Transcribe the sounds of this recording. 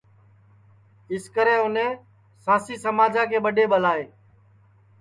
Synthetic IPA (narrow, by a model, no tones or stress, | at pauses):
ɪskəɾeːʊnẽː | sãːsiːsəmaːd͡ʒʱãːkeːɓəɗeːɓəlaːeː